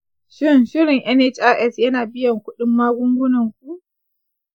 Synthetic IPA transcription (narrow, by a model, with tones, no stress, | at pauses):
ʃɪ˦nʃɪ˦ɾɪ˨ŋʔɛ˦ne˦t͡ʃʔa˦ʔɛ˦˨sjɐ˦naː˨bɪ˦jɐ˨ŋkʷʊ˦ɗɪ˦mːaː˦ɡʷʊ˦ŋɡʷʊ˦nɐ˨ŋkʷu˦ʔ